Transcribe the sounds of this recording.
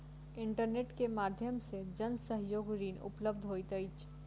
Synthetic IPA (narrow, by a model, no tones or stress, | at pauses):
ɪɳʈəɾneːʈkemaːd̪ʱjəmsed͡ʒənsəɦjoːɡɾiːnʊ̰pləb̚d̪ʱɦojt̪əjt͡ʃʰ